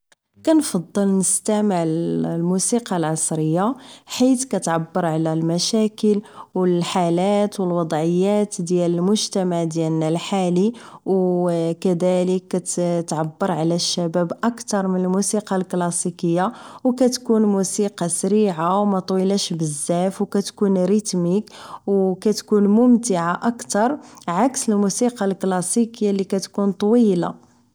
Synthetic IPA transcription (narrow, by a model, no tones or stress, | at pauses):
kænfɑd̪ˤːəlnəst̪æməʕlmusiqɑlʕɑsˤɾəjːaħit̪kæt̪ʕabːəɾˤʕlælmæʃækəlwəlħalæt̪wəlwɑd̪ˤʕəjːæt̪d̪jæləlmʊʒt̪æmaʕd̪jælnælħaliwkæd̪æləkːæt̪t̪ʕabːəɾˤʕlæʃːæbæbʔəkt̪ɑɾˤmənəlmusiqɑlklɑsikəjːawkæt̪kunmusiqɑsɾiʕawmæt̪ˤwilæʃbəzːæfwkæt̪kunɾət̪mikwkæt̪kunmʊmt̪əʕaʔəkt̪ɑɾˤʕaksəlmusiqɑlklɑsikəjːalikæt̪kunt̪ˤwila̰